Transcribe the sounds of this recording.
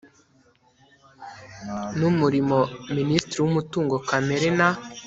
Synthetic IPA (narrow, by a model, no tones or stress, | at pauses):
numuɾimoministɾiwumutuːŋɡo̞kame̞ɾena